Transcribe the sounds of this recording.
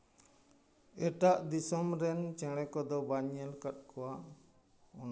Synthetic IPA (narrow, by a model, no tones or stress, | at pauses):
ɛʈaʔd̪isɔmɾɛnt͡ʃɛ̃ɽ̃ɛkɔd̪ɔbaɲɛlkat̪̚kɔwa | ɔna